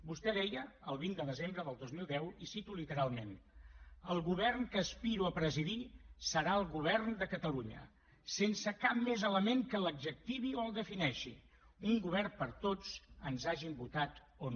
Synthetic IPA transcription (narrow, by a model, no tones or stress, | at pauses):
bust̪ɛðɛjəəlˠβind̪əðəzembɾəðəlˠd̪ozmilˠd̪ɛwisit̪ulit̪əɾalˠmen | əlˠɣuβ̞ɛrnkəːspiɾuəpɾəziðisəɾaəlˠɣuβ̞ɛrnd̪əkət̪əluɲə̰ | sensəkap̚mezələmeŋkələɡʒək̚t̪iβioəlˠd̪əfinɛʃḭ | uŋɡuβ̞ɛrpəɾt̪ot͡sənzaʒimbut̪at̪ | on